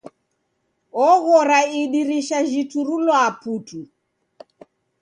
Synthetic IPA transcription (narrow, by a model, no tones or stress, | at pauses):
ɔɣɔɾaiɗiɾiʃaʒituɾulwɔaputi